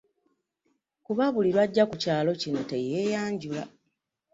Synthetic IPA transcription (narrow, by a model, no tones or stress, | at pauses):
kuβaβuliɾwaɟːakucaːlo̞cino̞te̞je̞jaːɲɟula̰